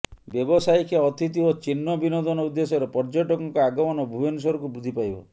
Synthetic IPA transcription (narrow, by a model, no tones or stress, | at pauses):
bjebɔsajkʰeɔt̪ʰit̪̬iot͡ʃinːɔbinɔd̪ɔnɔud̪ːesɔɾepɔɾd͡ʒɔʈɔkɔŋkɔaɡɔmɔnɔbʱubensɔɾɔkubɾud̪ʱipajbɔ̰